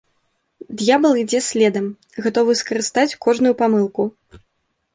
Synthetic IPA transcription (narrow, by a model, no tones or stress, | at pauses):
d̪jabɐlˠid͡zʲɛsʲlʲɛd̪ɐm | ɣat̪ɔvɨskɐɾɨst̪at͡sʲkɔʐnujupamɨlˠku